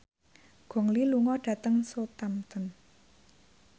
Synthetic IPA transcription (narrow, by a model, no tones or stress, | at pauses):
ɡ̥ɔ̤ŋliluŋɔɖ̥ä̤t̪əŋsot̪amt̪ən